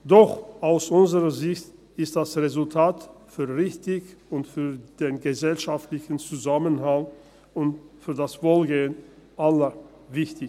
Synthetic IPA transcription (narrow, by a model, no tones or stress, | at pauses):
d̥ɔχʔaʊsʔʊnzəʁɐzɪçt | ɪst̚d̥asʁezʊltʰaːtfyːɐvɪçtɪçʊntfyːɐd̥eːnɡəzɛlʃaftlɪçn̩t͡suzamənɦaŋ | ʊntfyːɐdasv̥oːlɡeːənʔalɐ | vɪçtɪ